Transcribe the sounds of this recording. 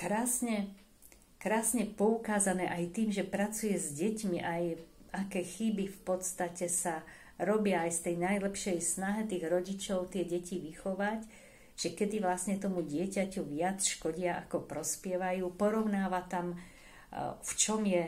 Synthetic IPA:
kɾaːsɲɛ | kɾaːsɲɛpɔukaːzanɛːʔajt̪iːmʒɛpɾat͡sujɛzɟɛcmiʔajakɛːxibifpɔt̪st̪acɛsa | ɾɔbɪaːjst̪ɛjnajlɛpʃɛjsnaɦɛt̪iːɣɾɔɟit͡ʃɔʊt̪ɪɛɟɛciʋixɔʋac | ʒ̥ɛkɛd̪iʋlasɲɛt̪ɔmuɟɪɛcacuʋɪat͡sʃkɔɟɪaʔakɔpɾɔspjɛʋajuːpɔɾɔʊnaːʋat̪am | ft͡ʃɔmjɛ

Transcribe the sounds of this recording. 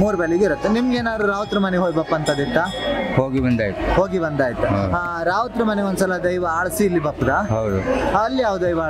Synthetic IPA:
muːɾbeliɡ̪iɾɐt̪ːenimɡeːnaːd̪ɾuɾaːʋɐt̪ɾɐmɐnɛɦoːɡibɐpːɐnt̪ɐd̪it̪ːa | hoːɡibɐnd̪aːjt̪uhoːɡibɐnd̪aːjit̪ːuɐ̰daːɾaːʋɐt̪ɾɐmɐnɛond̪usɐlɐd̪ɐjʋɐaːɭsiːlːibɐpːd̪aɦɐwd̪ṵɦaɐlːiaːʋd̪ɐjʋa

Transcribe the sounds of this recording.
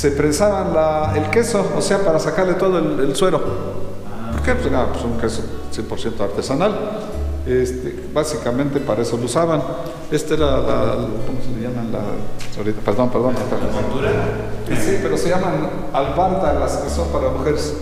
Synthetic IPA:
sepɾensaβanlaelke̞soːse̞apaɾasakaɾlet̪o̞ð̞oelelswe̞ɾo̞ | poɾkepseɾamapwesuŋkesosje̞mpo̞ɾsje̞nt̪oaɾt̪e̞sanal | est̪e | basikamẽnt̪e̞paɾaeso̞lousaβan | est̪aezlala̰komoseleʝamanla̰soɾit̪apeɾðo̞npe̞ɾðo̞nataaot̪uɾa | sipe̞ɾo̞se̞ʝaman | alβaɾt̪alaskeso̞mpaɾamuxeɾes

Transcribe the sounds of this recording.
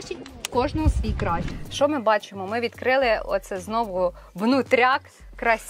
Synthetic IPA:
t͡ʃikɔʒnɔɦɔsʋʲijkɾɑjʃt͡ʃɔmɪbɑt͡ʃemɔmɪʋʲid̪kɾɪlˠɪɔ̰t̪t̪sɛznɔʋʊ | ʋnʊt̪ɾʲɑk | kɾɐsʲ

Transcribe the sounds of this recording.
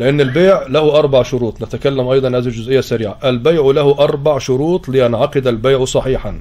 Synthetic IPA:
lɪʔɪnːɪlbeːʕlæhʊʔɑɾˤbɑʕʃʊɾuːt̪ˤnɪt̪ækælːæmʔɑjd̪ˤɑnhæːzhild͡ʒʊzʔɪjːæsæɾiːʕaʔælbajʕlæhʊʔɑɾˤbɑʕʃʊɾuːt̪ˤlɪjanʕɑqɪd̪ælbejʕsˤɑħiːħan

